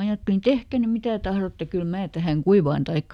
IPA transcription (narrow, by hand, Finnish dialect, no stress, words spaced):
ɑjɑtːelin tehkæ ny mitæ tɑhrotːe kyl mæː tæhæŋ kuiʋɑːn tɑikːɑ